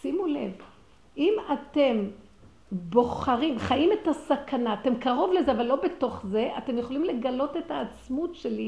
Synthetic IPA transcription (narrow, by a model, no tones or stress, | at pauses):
simule̞̰v | ʔimate̞m | bo̞χaʁimχajime̞tasakʰanaːte̞mkaʁo̞vlezeavalːobe̞to̞χze̞ʔate̞mjeχo̞limle̞ɡalo̞te̞taːt͡smutʃe̞li